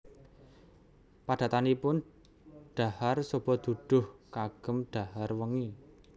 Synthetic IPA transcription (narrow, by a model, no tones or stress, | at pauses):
paɖ̥a̤t̪anipʊn | ɖ̥a̤harsob̥ɔ̤d̪̥uɖ̥ʊ̤hkaɡ̥ə̤mɖ̥a̤harwəŋi